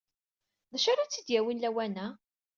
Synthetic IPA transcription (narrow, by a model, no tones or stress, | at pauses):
ðæʃaɾat͡sːid̪jæwinlæwænæ